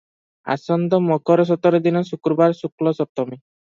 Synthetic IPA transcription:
a̰sɔnd̪ɔmɔkɔɾɔs̬ɔt̪ɔɾɔd̪inɔsukɾɔbaɾsuklɔsɔt̪ɔmi

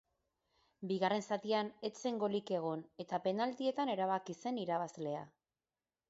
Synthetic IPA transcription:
biɣare̞nsat̪iane̞t͡se̞ŋɡo̞like̞ɣ̞o̞ne̞t̪ape̞nald̪ie̞t̪ane̞ɾaβ̞akise̞niɾaβazle̞a

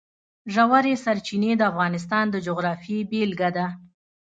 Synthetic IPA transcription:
ʒawaɾesaɾt͡ʃined̪əafɣɑnɪs̬t̪ɑnd̪əd͡ʒʊɣɾɑfibelɡad̪a

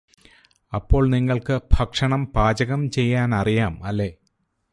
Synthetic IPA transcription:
ɐpːo̞ːɭniŋːɐɭkɨbʱɐkʂɐɳɐmpaːd͡ʑɐɣɐmt͡ɕe̞jːaːnɐrijaːmɐlːe̞ː

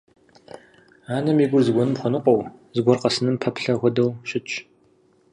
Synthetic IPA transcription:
aːnɐmiːɡʷʊrzɨɡʷɔnɨmχʷʊnɨqʷɔwzɨɡʷɔrqɐsɨnɨmpʰɐpɬɐʁʷɔdɐwɕɪt͡ʃʼ

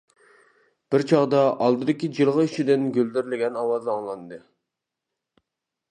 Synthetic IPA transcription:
b̥ɪɾt͡ʃʰɑʁd̪ɑʔɑlˠd̪ɨd̪ɪkʲid͡ʒilˠʁəiʃid̪ɪnɡʲøld̪ɪɾlɪɡʲɛnɑwɑzɑŋlˠɑnd̪ɨ

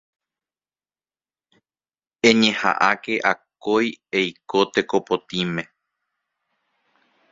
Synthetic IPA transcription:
ẽ̞ɲẽ̞ha̰ʔake̞ʔakojejkot̪e̞ko̞po̞t̪imẽ̞

